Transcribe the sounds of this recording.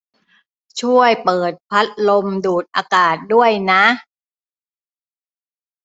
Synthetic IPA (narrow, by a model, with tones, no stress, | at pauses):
t͡ɕʰu˥˩əjpɤː˨˩t̪̚pʰa˦˥t̪̚lo˧mduː˨˩t̪̚ʔaː˧kaː˨˩t̪̚du˥˩əjna˦˥ʔ